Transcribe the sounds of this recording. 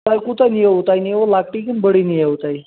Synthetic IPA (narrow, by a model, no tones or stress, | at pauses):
ajkut̪anijeʋt̪ajniʋolak̚ʈikinbəɽinijewt̪aj